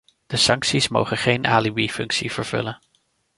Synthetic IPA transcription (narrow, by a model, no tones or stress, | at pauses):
d̥əsɑŋksismo̰wχəχejnʔaːlibifɵŋksiv̥əɹv̥ɵ̰lən